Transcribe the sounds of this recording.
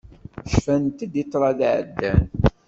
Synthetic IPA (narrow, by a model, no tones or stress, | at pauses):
ʃfænt̪əd̪it̪ˤːɾˤɑðʕə̰d̪ːæ̰n